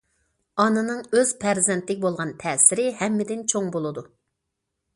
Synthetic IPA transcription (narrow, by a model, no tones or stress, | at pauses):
ɑnɨnɨŋøz̥pʰæɾzɛnt̪lɪkʲbolˠʁɑnt̪ʰɛːsɪɾɪɦɛmːɪd̪ɪnt͡ʃʰoŋbolˠɨd̪u